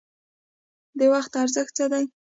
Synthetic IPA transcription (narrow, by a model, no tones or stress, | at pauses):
d̪ewaxt̪aɾzəxt̪t͡sad̪a